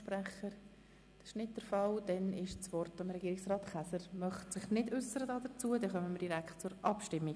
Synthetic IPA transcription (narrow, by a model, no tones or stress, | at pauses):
pɾæχəɾ | d̥ɑsɪʃnɪt̚d̥əɾfɑld̥ɛnɪʃt͡sʋɔrtɑmɾɛɡiːɾɪksrɑːtχæsəɾmœχtsɪχnɪdʏsːəɾədɑːdət͡suədɛχœməməɾd̥iɾæktt͡sʊɾʔɑpʃtɪmːi